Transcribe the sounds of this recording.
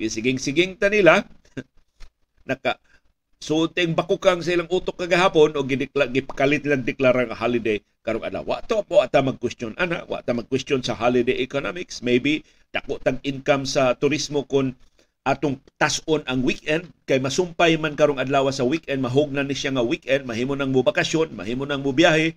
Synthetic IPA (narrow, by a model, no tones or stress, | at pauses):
ɡɪsɪɡɪŋsɪɡɪŋt̪anɪla | nɐka | sut̪ɪŋbakukaŋs̬ɐʔɪlaŋʔuːt̪okːɐɡahaːponoɡɪd̪ɪklaɡɪpḁkalɪt̪nlɐɡ̚d̪ɪklaɾaŋɐhalɪd̪ej | kɐɾoŋʔɐ̰d̪la̰wa̰ʔt̪omwaʔt̪amɐɡ̚kwɛst̪jonʔana̰ʔwa̰ʔt̪amɐɡ̚kwɛst̪jonsɐɦalɪd̪ejʔɛkonamɪksmejbi | d̪̥akoʔt̪aɡɪŋkamsɐt̪ʊɾismokʊn | ʔaːt̪oŋt̪asʔonʔɐŋwikʔɛnd̪̚kajmɐsʊmpajmankɐɾoŋɐd̪laːwasɐwikʔɛnd̪̚mɐɦʊɡ̚nanɪʃjaŋɐwikʔɛnd̪̚mɐɦiːmonaŋmʊbakɐsjonmɐ̰hiːmonaŋmʊbjahɛ